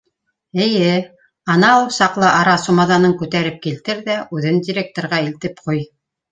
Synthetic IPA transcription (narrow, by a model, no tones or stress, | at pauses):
ɘ̆jɘ | ɑnɑusɑqlˠɤʔɑɾɑsumɑðɑnɤŋkʉt̪æɾɘp̚kilt̪ɘɾðæʉðɘndʲiɾʲek̚t̪oɾʁɑilt̪ɘpquj